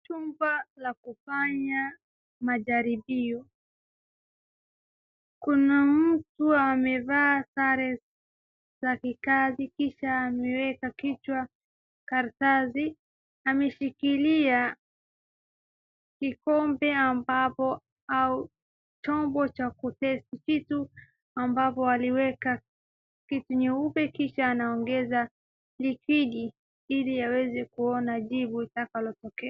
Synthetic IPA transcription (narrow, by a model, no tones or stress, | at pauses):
t͡ʃumbalakufaɲa | maʄaɾibiɔ | kunam̩tuamɛvaːsaɾɛ | zakikazikiʃaːmɛwɛkakit͡ʃwa | kaɾtazi | amɛʃikilia | kikɔmbɛambapɔ | au | t͡ʃɔmbɔt͡ʃakutɛstit͡ʃitu | ambapɔaliwɛka | kituɲɛupɛkiʃaːnaɔŋɡɛza | likiɗi | iliawɛzɛkuɔnaʄiɓuitakalɔtɔkɛa